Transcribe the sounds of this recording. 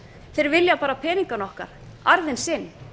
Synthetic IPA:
θeɾvɪljapaːɾapʰɛːniŋkanɔhka̰ɾ̥ | aɾðɪnsɪnː

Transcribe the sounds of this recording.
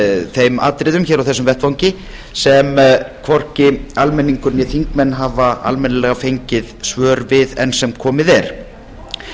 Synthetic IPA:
θejma̰ːt̪ɾɪðʏmçɛːɾawθɛsʏmvɛht̪vawɲcɪ | sɛmkʰvɔr̥cɪalmɛnːiŋkʏɾnjɛθiŋkmɛnːɦaːvaa̰lmɛnɪlɛɣafejɲcɪðsvœːɾvɪðɛ̰nsɛmkʰɔːmɪðɛɾ̥

